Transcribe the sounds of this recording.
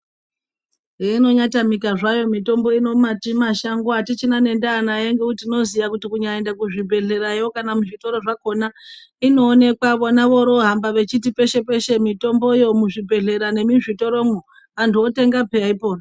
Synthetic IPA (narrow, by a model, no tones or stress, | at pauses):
eino̞ɲatamikaʐajo̞mito̞mbo̞ino̞matimaʃaŋɡwatit͡ʃinane̞ndaːnajeŋɡeutino̞zijakutikuɲaendakuʐibʱe̞ɮe̞ɾajokanamuʐito̞ɾo̞ʐako̞na | ino̞ːne̞kwaʋonaʋo̞ɾo̞ɦambaʋe̞t͡ʃitipe̞ʃe̞pe̞ʃe̞mito̞mbo̞jo̞muʐibʱe̞ɮe̞ɾane̞miʐito̞ɾo̞mu | antuote̞ŋɡapeaipo̞ːna